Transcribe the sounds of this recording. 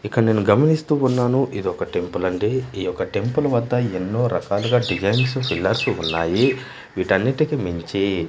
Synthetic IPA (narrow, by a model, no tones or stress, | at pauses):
ikːɐne̞ːnuɡɐmɐnist̪uːunːaːnuʔid̪iɔkɐʈe̞mpulɐɳɖeːiːjɔkɐʈe̞mpulɐʋɐd̪ːɐenːo̞ːɾɐkaːluɡaːɖid͡ʒɐjnsupʰilːɐɾsuunːaːji | ʋiːʈɐnːiʈikimiɲt͡ʃi